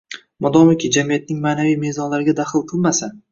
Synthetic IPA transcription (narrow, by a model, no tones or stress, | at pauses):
mɒd̪ɒmɪkʲɪd͡ʒamijat̪̚nɪŋmaːnavijme̞zɒnlaɾɪɡʲad̪aχɨlˠqʰɨlˠmasa